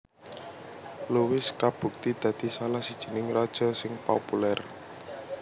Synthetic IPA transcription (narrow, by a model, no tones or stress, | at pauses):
luwɪskab̥ṳk̚t̪id̪̥ä̤d̪̥i̤salahsid̥ʒ̥ə̤nɪŋrɔd̥ʒ̥ɔ̤sɪŋpopulɛr